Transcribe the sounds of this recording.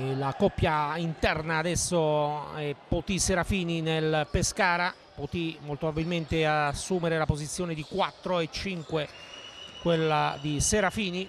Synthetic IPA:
lakɔpːjaint̪ɛrnaːd̪ɛsːoɛpːot̪iseɾafiːninelpeskaːɾa | pot̪imolt̪oababilment̪easːuːmeɾelapozit̪sːjoːned̪ikwat̪ːɾoet͡ʃːiŋkwe | kwelːad̪iseɾafiːni

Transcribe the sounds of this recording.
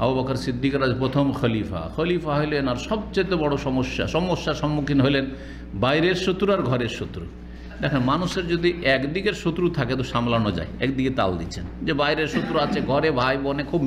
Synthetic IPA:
a̰bobakaɾsid̪ʱːikaɾad͡ʑpɾot̪ʰomxɔlifa̰xəlifaɦojlenaɾʃɔb̚t͡ɕojt̪̬obɔɽoʃɔmoʃːa̰ʃɔmoʃːaʃɔmːukʰinɦojlen | bajɾeɾʃot̪ːɾaɾɡʱɔɾeɾʃot̪ːɾu | d̪ɛkʰenmanuʃeɾd͡ʑod̪ʱiɛkd̪ikeɾʃot̪ːɾut̪ʰaket̪oʃamlanod͡ʑa̰jɛkd̪iket̪a̰ld̪it͡ɕʰend͡ʑebajɾeɾʃot̪ːɾuat͡ɕʰeɡʱɔɾebʱajbonekʰub

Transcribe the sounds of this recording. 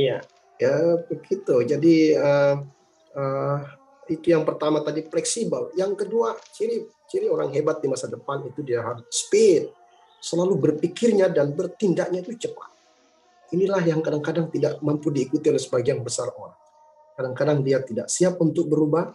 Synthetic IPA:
ja̰ | əbəɡit̪ud͡ʒadiə | ə | it̪ujaŋpərt̪amat̪adiflɛksibaljaŋkəduat͡ʃiɾi | t͡ʃiɾioɾaŋɦebat̪̚dimasadəpanit̪udiaɦaɾspet̪̚ | səlalubərpikɪrɲadanbərt̪indaʔɲait̪ut͡ʃəpa̰t̪̚ | inilahjaŋkadaŋkadaŋt̪idaʔmampudiːkut̪iolɛhsəbaɡianbəsaro̰ɾaŋ | kadaŋkadaŋdiat̪idaʔsiap̚unt̪ʊk̚bəɾubah

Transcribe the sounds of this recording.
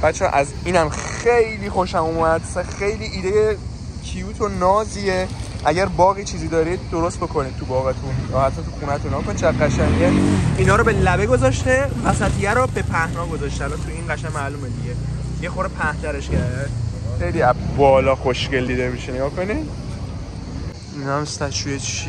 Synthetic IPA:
b̥æt̪t͡ʃʰːɛ̰ʔæz | iːnæmxejliːxoʃæmumæd̪sæxejliːʔiːd̪eje | cʰijuːt̪ʰonɒːziːe | ʔæɟæɾbɒːɣiːt͡ʃʰiːziːd̪ɒːɾid̪̚d̪o̞ɾost̪̚bo̞kʰo̞nid̪̚t̪ʰubɒːɣet̪ʰunjɒːhæt̪ʰːæt̪ʰuxuːnæt̪unːeɡɒkonid̪̚t͡ʃʰæɡæʃæŋɡæinɒːɾɔbelæbeɡo̞zɒʃt̪evæsæt̪ʰijæɾɔbe̞pʰæhnɒːɡo̞zɒʃt̪eælbat̪ʰujiːnɡæʃæmːæːluːmed̪iɡe | jexoɾepʰæht̪ʰæɾeʃkʰæɾd̪æd̪xejliæbɒːlɒːxoʃce̞ld̪iːd̪emiʃeneɡɒːko̞nid̪ | inæmst̪æt͡ʃʰujet͡ʃ

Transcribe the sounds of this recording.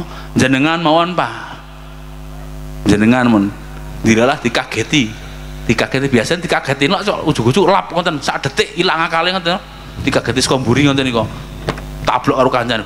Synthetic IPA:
ɲd͡ʒənəŋanmawɔnpa | ɲd͡ʒənəŋanmən | d̪iɾalahd̪̥ikaɡ̥et̪i | d̪̥ikaɡ̥et̪ib̥iasand̪̥ikaɡ̥et̪inlɔʔt͡ʃɔ̰ʔu̥ʒ̥uɡ̥ud͡ʒulap̚ŋɔnt̪ənsaʔɖ̪̥ə̤t̪ɪʔilaŋakaleŋɔnt̪̬ən | d̪̥ikaɡ̥e̤t̪iskɔmbuɾiŋɔnt̪ənikɔ | t̪a̰b̥lɔʔkaɾukaɲt͡ʃan

